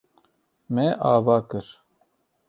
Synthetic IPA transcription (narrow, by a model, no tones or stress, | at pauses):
mɛʔaːvaːkɨɾ